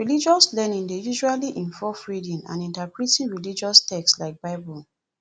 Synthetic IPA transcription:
ɹilid͡ʒɔslɛnĩndejuʃualiʔĩɱfɔfɹidĩnã̰nĩntapɹitĩnɹilid͡ʒɔstʰɛkslaɪk̚baɪbɔl

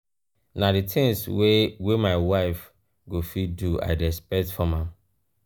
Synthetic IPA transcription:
naditʰɪ̃ŋswemaɪwaɪf | ɡofidua̰ɪdɛspɛktfɔmã

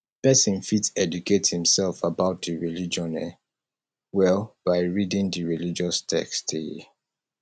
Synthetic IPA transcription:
pɛsĩnfitsɛdukethĩmsɛlfabaʊt̚diɹilid͡ʒɔ̃nɛ | wɛlbaɪɹidĩŋdiɹilid͡ʒɔstʰɛ̰kste

